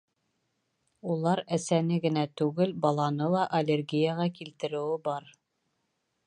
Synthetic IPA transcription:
ulˠɑɾæsænɘɡɘ̆næt̪ʉɡɘlbɑlˠɑnɤlˠɑʔɐlʲerɡʲijaʁɑkilt̪ɘ̆ɾɘ̆wɘbɑɾ

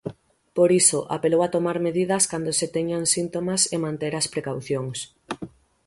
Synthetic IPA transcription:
poɾisoʔa̰pelowat̪omaɾmeðið̞ɐskand̪oset̪eɲaŋsint̪omasemãnt̪eɾaspɾekawθjoŋs

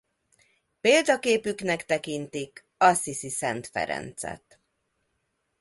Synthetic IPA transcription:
peːld̪ɒkeːpyknɛkt̪ɛkint̪ik | ɒsisisɛnt̪fɛ̰ɾɛ̰nt̪sɛ̰t̪

